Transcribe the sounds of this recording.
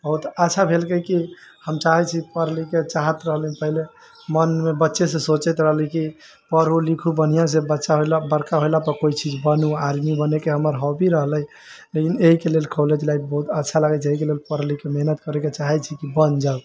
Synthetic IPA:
bəɦut̪ətːʃʰabʱelkəki | həmt͡ʃaɦɛt͡ʃʰipəɾliket͡ʃaɦət̪ɾəɦlũpəɦile | mənmebətːʃesesot͡ʃəjt̪ɾəɦliki | pəɾɦulikʰubən̤ijãs̬ebətːʃaɦolabəɾkaɦojlapəkoit͡ʃid͡ʒbənuaɾmibənekeɦəməɾɦobiɾəɦləj | lekineɦikelelkʰoled͡ʒlaibəɦut̪ətːʃʰaləɡɛt͡ʃʰeɦikelelpəɾlikemeɦnət̪kəɾɛket͡ʃaɦɛt͡ʃʰikibənd͡ʒa

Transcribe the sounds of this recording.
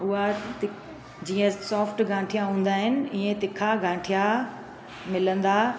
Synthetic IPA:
ʊɦat̪ɪ | d͡ʑiːə̃sɔːfʈɡʱãːʈʰijaɦũːnd̪aːɦɪnɪ̆ĩːẽt̪ɪkʰaɡãːʈʰija | mɪlə̃nd̪aː

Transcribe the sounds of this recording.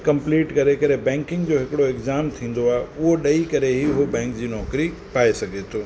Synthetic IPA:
kɐ̃mpliːʈkɐɾekɐɾebɛ̃ːŋkɪ̃ŋɡd͡ʑoːɦɪkɪɽoɪkzaːmt̪ʰĩːn̆d̪oaːɦeʊɦoɗɐikɐɾeɦiɦobɛ̃ːŋkd͡ʑiːnɔːkɾi | paːesɐɡʱet̪ʰoː

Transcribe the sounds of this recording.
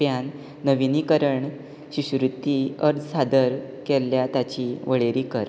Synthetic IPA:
janː | əʋinikəɾəɳ | ɕiɕɾut̪ːiəɾd͡zsad̪əɾ | kelːjat̪jat͡ɕiʋəɭeɾiːkəɾ

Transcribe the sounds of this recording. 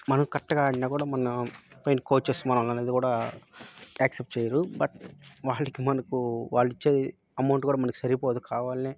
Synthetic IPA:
mɐnɐkɐʈːɐɡaːɐɽːaːkuːɽaːmɐnɐpɐjnkoːt͡ʃːest̪umɐnɐmlɐneːd̪ikuːɽaː | aːksep̚ʈt͡ʃeːjaɾubɐʈʋaːɭːɐkimɐnɐkuʋaːɭːit͡ʃːe̞ː | ɐmɐwɳʈkuːɽaːmɐnɐku̥sɐɾipoːt̪ukʰaːʋaːlineː

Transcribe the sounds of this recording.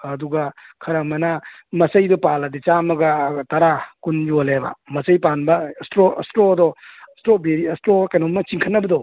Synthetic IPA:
ɐduɡɐkʰɐɾamɐnɐ | mɐsɐjdɔpalɐdit͡ʃamɐɡɐtɐɾakund͡ʒolebɐ̰mɐsɐjpanbɐstɾo̰stɾoɐdɔstɾobeɾiɐstɾokanomːɐt͡ʃiŋkʰɐnːɐbɐdɔ

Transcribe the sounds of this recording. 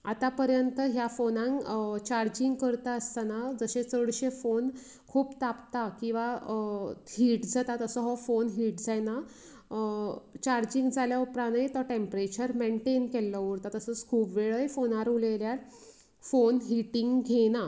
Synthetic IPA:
at̪apəɾjənt̪əɦjafonãŋkt͡ɕaɾd͡ʑiŋɡkəɾt̪aəst̪anad͡zəɕẽt͡səɽɕefon | kʰuːpt̪apt̪akĩw̃ʋa | hiːʈd͡zʱat̪at̪əsəɦɔfonɦiːʈd͡zajna | t͡ɕaɾd͡ʑiŋɡd͡zʱaljaupɾanjt̪ɔʈempɾet͡ɕəɾmeɳʈenkelːɔʋuɾt̪at̪əsəskʰuːpʋeɭəjfonaɾuleljaɾ | fonɦiʈĩŋɡɡʱena

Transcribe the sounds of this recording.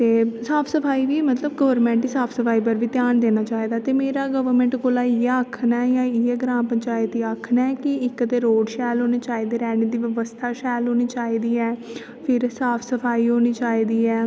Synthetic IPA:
t̪eːsaːpʰsəpʰaːiːʋiːmət̪ləbɡəʋəɾmɛ̃ːɳʈiːsaːpʰsəpʰaːiːpəɾʋiːt̪jaːnd̪eːnaːt͡ʃaːiːd̪aːt̪eːmeːɾaːɡəʋəɾmɛ̃ːɳʈkoːlaːieakʰnajãːɪeɡɾãːmpəɲt͡ʃaːɪt̪iːaːkʰnaɛkɪɪkt̪eːɾoːɖʃɛːlɦoːniːt͡ʃaːiːd̪eːɾɛːniːd̪iːʋəʋəst̪ʰaːʃɛːlɦoːniːt͡ʃaːiːd̪iːɛː | pʰɪɾsaːpʰsəpʰaːiːɦoːniːt͡ʃaːiːd̪iːɛː

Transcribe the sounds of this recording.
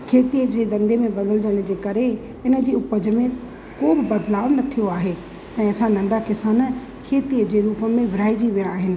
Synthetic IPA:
kʰeːt̪iəd͡ʑeːd̪ɐ̃nd̪emẽbɐd̪əlɪd͡ʑəɽ̃̆d͡ʑeːkɐɾe | ɪnə̆d͡ʑiːʊpəd͡ʑ̆mẽ | koːbɪbɐd̪laːʋnɐt̪ʰijoaːɦe | t̪ɐ̃ɪ̃sãnɐ̃ɳɖakɪsaːnə | kʰeːt̪iəd͡ʑeːɾuːpəmẽʋɪɾaːid͡ʑiʋijaːɦɪnɪ̆

